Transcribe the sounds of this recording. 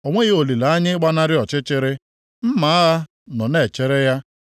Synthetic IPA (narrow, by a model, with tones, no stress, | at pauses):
o˨ŋʷe˦ɣe˦o˨li˨la˨a˦ɲɪ˦ɡ͡ba˦na˦ɾɪ˦ɔ˨t͡ʃɪ˦t͡ʃɪ˦ɾɪ˦ | m̩˦ma˨˦a˦ɣa˦ | nɔ˨ne˨t͡ʃɪ˦ɾɪ˦ja˦